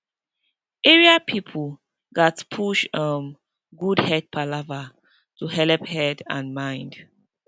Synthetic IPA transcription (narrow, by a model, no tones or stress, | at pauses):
ʔeɹiapʰipʰul | datpʰuʃəm | ɡudhɛd̚pʰalava | tuɦɛlphɛdã̰nmãɪ̃nd